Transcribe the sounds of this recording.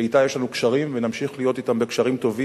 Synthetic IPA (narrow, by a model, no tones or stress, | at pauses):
eit̪ajeʃlanukʃaʁimvenamʃiχlijo̞t̪it̪ambe̞kʃaʁimt̪o̞vi